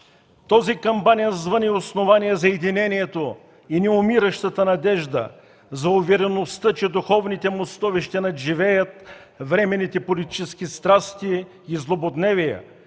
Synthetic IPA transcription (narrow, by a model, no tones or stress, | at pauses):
t̪ɔzikɐmpanʲijəzvəniosnovaniɛzɐɛd̪inɛnijɛt̪o | inɛʊmiɾəʃt̪ət̪ənɐd̪ɛʒd̪ə̰ | zɐʊvɛɾɛnost̪ət͡ʃɛd̪ʊxɔvnit̪ɛmost̪ɔviʃt̪ɛnɐʒivɛjət̪̚ | vɾɛmɛnːit̪ɛpolit̪i̥t͡ʃɛsk̟ist̪ɾast̪iː | zlˠobod̪nɛvijɛ̰